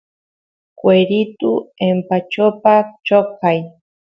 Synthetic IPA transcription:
kweɾit̪uempat͡ʃopat͡ʃokaj

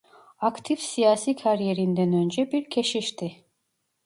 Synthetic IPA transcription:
akt̪ʰifsijaːsiːkʰaɾjeɾind̪ɛnønd͡ʒɛbiɾcʰɛʃiʃt̪ʰi

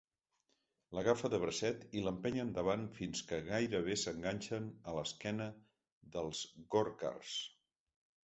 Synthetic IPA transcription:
ləɣafəðəβɾəsɛt̪iləmpɛɲənd̪əβ̞anfinskəɣajɾəβ̞esəŋɡaɲʲʃənələskɛnə | ðəlˠzɣoɾka̰ls

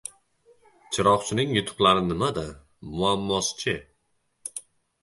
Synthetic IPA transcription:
t͡ʃʰɪɾɒqt͡ʃʰɪnɪŋjʊt̪ʰʊ̥qlˠaɾɪnɪmad̪a | mʊamːɒst͡ʃʰɪ

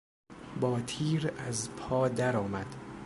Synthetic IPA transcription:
bɒːt̪ʰiːɾæzpʰɒːd̪æɾɒːmæd̪̥

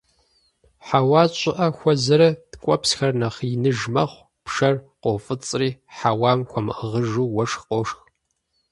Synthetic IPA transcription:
ħawɑːt͡ʃʼɪʔɐxʷɔzɐɾɐtkʷʼɔpsxɐrnɐχɪnɨʒmɐχʷ | pʂɐrqowfʼɨt͡sʼriːħawaːmkʷʰɔmʔəʁəʒuːwɐʂxqʼoʂx

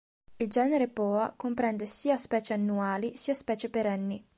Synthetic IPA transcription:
ild͡ʒɛːneɾepɔːakompɾɛnd̪esiːaspɛːt͡ʃeanːuaːlisiːaspɛːt͡ʃepeɾɛnːi

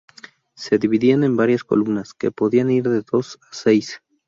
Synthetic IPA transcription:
se̞ðiβiðiane̞mbaɾjasko̰lumnaske̞̰po̞ðianiɾðe̞ðo̞sase̞js

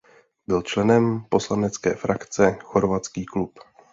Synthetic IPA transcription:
bɪlt͡ʃlɛnɛmpo̞slanɛt͡skɛ̰ːfɾakt͡sɛxo̞ɾvat͡skiːklup

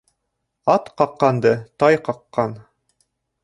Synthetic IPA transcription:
ɑt̪qɑqːɑnd̪ɤt̪ɑjqɑqːɑn

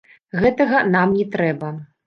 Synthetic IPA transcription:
ɣɛt̪ɐɣɐnamnʲɛt̪ɾɛbɐ

